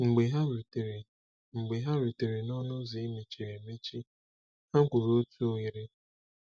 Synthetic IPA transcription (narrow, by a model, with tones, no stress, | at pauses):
ŋ͡m̩˨ɡ͡be˨ɦa˦wi˨te˨ɾe˨ | ŋ͡m̩˨ɡ͡be˨ɦa˦ɾi˨te˨ɾe˨nɔ˦nʊ˦zi˨˦mi˨t͡ʃe˨ɾe˨me˦t͡ʃi˦ | ha˦ŋ̩˦kʷʊ˨ɾo˦tu˦o˦ɣi˨ɾe˦